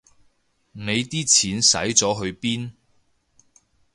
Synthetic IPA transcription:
ne˨˧jt̪iː˥t͡sʰiː˨˥nsɐ̰˨˥jt͡sɔː˨˥ɦɵ˧ɥpiː˥n

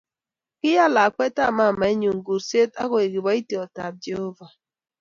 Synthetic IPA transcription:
kɪ˦ja˦la˨kʷe˦ta˦˨ma˦˨ma˨e˦ɲu˨ŋ̩˨ɡu˨si˦e˦ta˦ɣɔ˨e˨ɡi˨ba˦i˦ti˨ɔ˨ta˨b̚d͡ʒe˨ho˦va˨

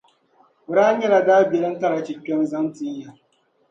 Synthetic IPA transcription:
ɾaː˦ɲɛ˦ɾa˨daː˦bi˨ɾa˦ta˦ɾa˨t͡ʃi˨kʲːɔ˦nza˦nti˦ɲja˨

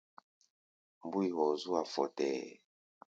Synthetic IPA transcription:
m˨bu˦i˨ɣɔ˨zu˦a˨fɔ˨tɛ˨

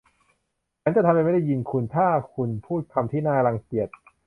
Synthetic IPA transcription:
t͡ɕa˦˥nt͡ɕa˨˩t̪ʰa˧mɾa˧ma˥˩da˥˩ji˧nkʰu˧nt̪ʰaː˥˩kʰu˧npʰuː˥˩t̪̚kʰa˧mt̪ʰiː˥˩naː˥˩ka˧la˧ŋki˨˩ət̪̚

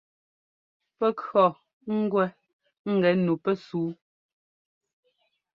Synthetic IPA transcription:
pɛ˦kɰɔ˨ | ŋ̩˦ɡwɛ˦ | ŋ̩˦ɡɛ˨˦nu˨pɛ˦suː˨˦

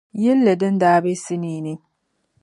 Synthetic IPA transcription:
jɛ˦lːe˨dɨ˦n˦daː˦be˦si˦niː˨nɨ˦

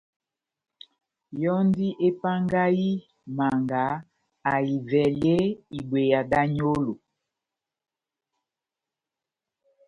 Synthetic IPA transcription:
jɔ˦ndi˦ʔe˦pa˦ŋɡa˦ji˦ | ma˨ŋɡa˨˦ | a˨i˨vɛ˨lje˦i˨bwe˨ja˨da˦ɲo˦lo˨

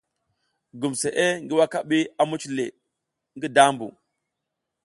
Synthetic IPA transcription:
ɡu˨mse˨ʔe˦ŋɡi˦wa˦ka˦ɓi˦a˦mu˦t͡ʃle˨ | ŋɡi˦da˦mbṵ˨

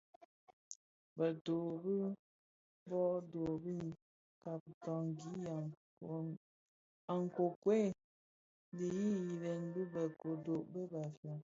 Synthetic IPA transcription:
bə˨to˨bi˦ | bɔ˦ʔdo˨bi˦˨n˨ | ka˨p̚tɔ˨ŋ˨ɡi˨˦a˨ | a˨ŋ˨ko˨kwe˦˨ | li˨ji˦ji˨lɛ˨n˦bu˦bə˨ko˨do˨ʔbə˦ba˨fə˨

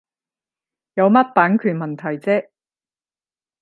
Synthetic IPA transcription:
jɐ˨˧wmɐ˥t̚paː˨˥nkʰyː˨˩nmɐ˨˩nt̪ʰɐ˨˩jt͡sɛː˥

